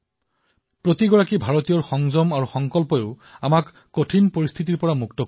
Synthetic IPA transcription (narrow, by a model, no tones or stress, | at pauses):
pɹotiɡɔɹakibʱaɹɔtijɔɹxɔŋzɔmaɹuxɔŋkɔlpɔjeʊ | amakːotʰinpoɹist̪ʰit̬iɹpɔɹamuktɔk